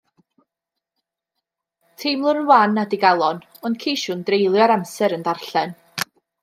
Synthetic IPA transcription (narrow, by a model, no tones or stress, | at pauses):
tʰɪmlˠʊnwanːadiɡalˠɔn | ɔnd̚kʰijʃuːndrejlˠjɔɾamsɛɾəndarɬɛn